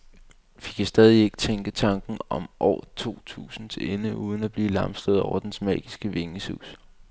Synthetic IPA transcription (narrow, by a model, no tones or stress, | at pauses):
ʋikʰasd̥ɛːð̞ˠie̝ɡ̥ə̥t͡sʰeŋɡ̥ət͡sʰɑ̈ŋɡ̥n̩ɒ̽mʔɒ̰ːt͡sʰo̝̰ːt͡sʰṵːsn̩t͡sʰe̝lenəʔuːð̞ˠn̩æb̥liːlɑ̈msl̥əð̞ˠɒʊɐd̥ensmɛ̰ːɡ̥isɡ̥əʋe̝ŋəsṵːs